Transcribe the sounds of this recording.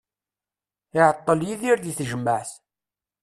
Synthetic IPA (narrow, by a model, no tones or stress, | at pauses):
ɪʕət̪ˤːəljiðiɾðiθʒəmːəʕθ